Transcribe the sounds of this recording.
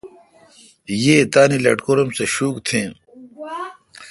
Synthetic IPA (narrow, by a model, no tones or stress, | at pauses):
jeːt̪aːnilɐ̰ʈkoɾɐmseɕuːkt̪ʰẽː